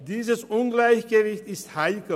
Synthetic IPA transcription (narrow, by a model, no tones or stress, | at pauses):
d̪iːsəsunɡlaikɡeʋiht̪ist̪ʰhaikə